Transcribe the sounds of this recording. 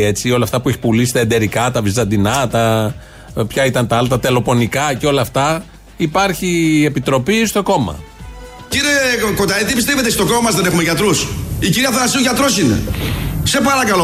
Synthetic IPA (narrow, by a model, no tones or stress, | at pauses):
e̞t͡sio̞lɐft̪ɐpueçi̥pulisi̥t̪ɐed̪e̞ɾikɐt̪ɐvizɐnd̪inɐt̪ɐ | pçɐit̪ɐnt̪ɐɐlt̪ɐt̪e̞lo̞po̞nikɐceo̞lɐːft̪ɐ | ipɐɾçie̞pit̪ɾo̞pist̪o̞ko̞mɐ̰ | ciɾiekot̪ɐlit̪ibist̪eve̞t̪̬est̪o̞komɐmɐzðene̞xumeʝɐt̪ɾusiciɾiɐθɐnɐsiuʝɐt̪ɾosinḛse̞pɐɾɐkɐlo